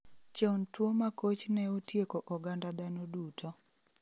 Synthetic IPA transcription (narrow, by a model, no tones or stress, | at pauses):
t͡ʃɔntwomakot͡ʃnɛotjekoʔɔɡandad̪anodutʰo